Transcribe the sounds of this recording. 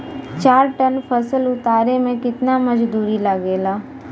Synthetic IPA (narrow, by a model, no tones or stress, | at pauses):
t͡ʃaːɾʈɐnpʰɐsəlʊt̪aːɾemẽkɪt̪namɐd͡ʒd̪uːɾilɐɡeːlaː